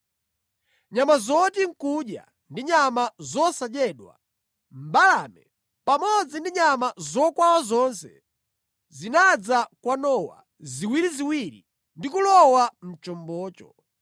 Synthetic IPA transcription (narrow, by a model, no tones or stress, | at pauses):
ɲamazɔt̬iŋ̩kuɗja̰ | ndiɲamazɔsad͡ʒɛɗwa̰ | m̩balamɛ | pamɔd͡zindiɲamazɔkwawazɔnsɛ̰ | zinad͡zakwanɔwa̰ | ziwiɾiziwiɾḭ | ndikulɔwam̩t͡ʃɔmbɔːt͡ʃɔ